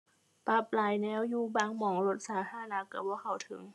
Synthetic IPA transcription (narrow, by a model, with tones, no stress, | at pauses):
pa˧˩p̚laː˨˩˦jnɛː˧˥wjuː˧baː˧ŋmɔː˨˩˦ŋlo˧˥t̪̚saː˨˩˦t̪ʰaː˧a˧na˧˥ka˧˩bɔː˧˦kʰa˨˩wt̪ʰɯ̰˨˩˦ŋ